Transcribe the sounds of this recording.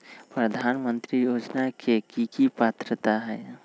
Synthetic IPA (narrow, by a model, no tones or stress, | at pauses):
pɾəd̪ʱanmənt̪ɾijod͡ʒnakʰekikipat̪ɾət̪aɦɛː